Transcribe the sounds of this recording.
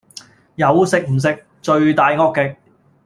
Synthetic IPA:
jɐ˨˧wsɪ˨k̚m̩˨˩s̬ɪ˧k̚ | t͡ʃɵ˧ɥt̪aː˨jŋɔː˥kːɪ˨k̚

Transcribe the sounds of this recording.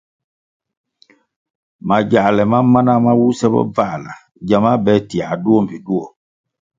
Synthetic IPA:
ma˨ɟa˨lɛ˨ma˦ma˦na˦ma˦wu˦sɛ˦bɔ̰˦va˦˨la̰˨ | ɟa˨mã˦bɛ˨˦ti˨a˨du˦ɔ˦m̩˨pi˨du˦ɔ˨

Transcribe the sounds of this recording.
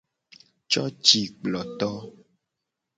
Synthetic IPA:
t͡ʃɔ˦t͡ʃi˨k͡plɔ˨t̪ɔ˦

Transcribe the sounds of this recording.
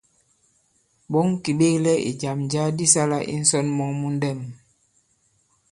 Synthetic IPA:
bɔ˨˦ŋ˦ki˨ɓe˦klɛ˦ʔḭ˨d͡ʒa˨md͡ʒa˦di˦sa˦la˦ʔḭ˦n̩˦sɔ˦nmɔ˦ŋmu˦n˦dɛ˦˨m

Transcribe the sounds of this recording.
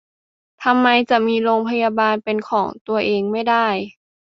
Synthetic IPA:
t̪ʰa˧mːa˧jt͡ɕa˨˩miː˧loː˧ŋpʰa˧ja˧baː˧npe˧nkʰɔː˩˦ŋt̪u˧ɐʔeː˧ŋma˥˩jda˥˩j

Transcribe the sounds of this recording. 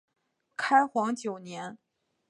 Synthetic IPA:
kʰa˥ɪxwɑ˧˥ŋt͡ɕjo˨˩ʊnjɛ˧˥n

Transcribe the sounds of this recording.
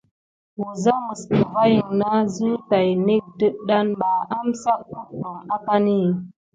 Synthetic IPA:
wu˨za˦mə˨sə˨va˦ji˨ŋna˦zi˦ta˨jne˦k̚də˦ɗa˦nɓa˨a˦msa˦k̚ːu˦ka˨ŋa˦ka˦ni˦˨

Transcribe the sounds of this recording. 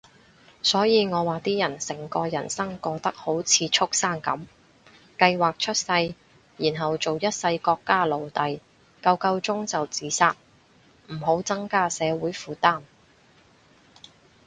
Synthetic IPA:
sɔː˨˥jiː˨˧ŋɔː˨˧waː˨t̪iː˥jɐ˨˩nsɪ˨˩ŋkɔː˧jɐ̰˨˩nsɐ˥ŋkɔː˧k̚t̪ɐ˥k̚ho˨˥wt͡sʰiː˨˧t͡ʃʰʊ˥k̚saː˥nkɐ˨˥m | kɐ˧jwaː˨k̚t͡ʃʰɵ˥t̚sɐ˧j | jiː˨˩nɦɐ˨wt͡so˨wjɐ˥t̚sɐ˧jkɔː˧kːaː˥lo˨wt̪ɐ˨j | kɐ˧wkɐ˧wt͡sʊ˥ŋt͡sɐ˨wt͡siː˨˥saː˥t̚ | m̩˨˩ɦo˨˥wt͡sɐ˥ŋkaː˥sɛː˨˧wuː˨˥jfuː˨t̪aː˥˩n

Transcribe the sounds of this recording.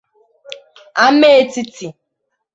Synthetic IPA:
a˦me˦e˦ti˦ti˨

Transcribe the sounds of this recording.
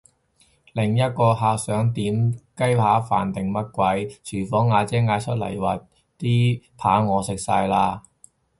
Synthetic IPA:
lɪ˨˩ŋjɐ˥t̚kɔː˧ɦaː˨k̚sœː˨˥ŋt̪iː˨˥mkɐ˥jhaː˨˥fa̰ː˨˩nt̪ɪ˨ŋmɐ˥t̚kʷɐ˨˥jt͡ʃʰyː˨˩fɔː˨˥ŋːaː˨˧t͡sɛː˥ŋaː˨˧jt͡ʃʰɵ˥t̚lɐ̰˨˩jwɐ˨˩t | t̪iː˥pʰaː˨˥ŋɔː˨˧sɪ˨k̚sa̰ː˧jlaː˧

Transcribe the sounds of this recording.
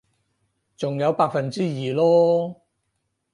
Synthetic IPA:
t͡sʊ˨ŋjɐ˨˧wpaː˧k̚fɐ˨nt͡siː˥jiː˨˩lɔː˥

